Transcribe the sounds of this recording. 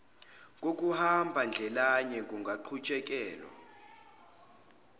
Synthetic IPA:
k̬ʼok̬ʼuhambʱand͡ɮʱɛlaɲɛkʼuŋɡʱaǃʰut͡ʃʼɛk̬ʼɛːlwa̰

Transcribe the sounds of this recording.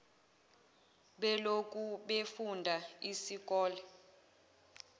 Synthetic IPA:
ɓɛlokʼuɓefundʱaisik̬ʼɔːlɛ

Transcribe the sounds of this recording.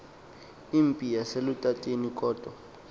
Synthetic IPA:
im̩pʼijaselutʼatʼenikʼɔːtʼwa

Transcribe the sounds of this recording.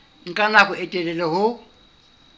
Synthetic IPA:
ŋ̩kʼanakʊɛtʼɛlɛlɛhʊ

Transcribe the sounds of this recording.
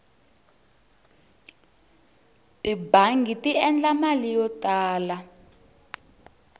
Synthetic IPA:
ibaŋɡʱitiɛnd͡ɮamalijɔtʼaːla

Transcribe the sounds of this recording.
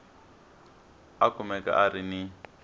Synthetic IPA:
akʰʊmɛkʼa̰ʔaɾini

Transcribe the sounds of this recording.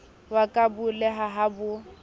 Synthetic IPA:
wakʼabʊlɛɦaɦabʊ

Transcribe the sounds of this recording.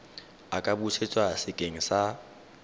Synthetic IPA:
akʼabuset͡sʼwasɪkʼeŋ̩sa

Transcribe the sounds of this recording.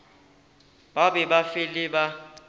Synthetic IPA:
ɓaɓɛɓafiliɓa

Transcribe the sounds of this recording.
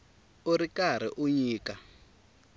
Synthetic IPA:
uɾikaɾ̤iʔuɲiːka

